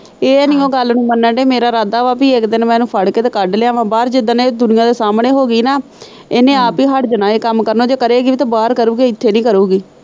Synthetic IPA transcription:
eːniːõːɡəlnũːmənːəɳɖeːmeːɾaːɾaːd̪aːʋaːpiːɪkd̪ɪnmɛ̃ːnũːpʰəɽkeːt̪eːkəɖleãːʋãːbaːɾd͡ʒɪd̪əneːd̪ʊnɪjãːd̪eːsaːmɳeːɦoːɡiːnaː | eːnẽːaːpiːɦəɽd͡ʒənaːeːkəmkəɾnoːd͡ʒeːkəɾeːɡiːt̪ãːbaːɾkəɾuːɡeːɪt̪ʰːeːnĩːkəɾuːɡiː

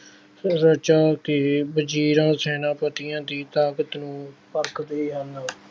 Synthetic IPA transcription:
ɾət͡ʃaːkɪbəd͡ʒiːɾãːsɛːnãːpət̪ɪjãːd̪iːt̪aːkət̪nũːpəɾkd̪eiːɦəlaː

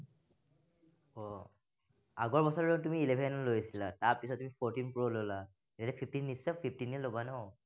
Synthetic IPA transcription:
ɔ | aɡɔɹbɔsɔɹɹɔntumiːlebʱɛnɔlojsilataɹpisɔt̚ːumipʰɔɹtinpɹolola | ejaɾɛpʰipʰtinːisɔpʰip̚tiniɛlobanɔ

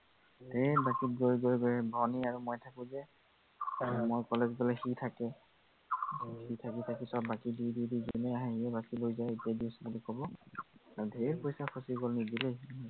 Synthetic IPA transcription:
dʱebakit̚ɡoɹjɡojɡɔɹɛbʱɔniaɹumojtʰakʊ̃zɛ | mojkɔlɛzbɔlɛxitʰakɛ | xitʰakitʰakisɔbːakidididizinɛaɦɛ̃iɛbakilojzajetijadiʊsɔbɔlikʰɔbɔaɹudʱeiɹpɔjsaxʰɔsiɡɔlnidilejaɦɔ

